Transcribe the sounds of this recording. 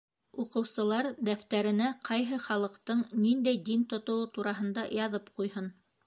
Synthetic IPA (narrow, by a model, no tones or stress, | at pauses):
uqɤ̆wsɤ̆lˠɑɾd̪æft̪æɾɘ̆næqʰɑjɦɤχɑlˠɤ̆qt̪ɤɴnind̪æjd̪int̪ŏt̪ŏwɤt̪uɾɑɦɤ̆nd̪ɑjɑðɤpqujhɤn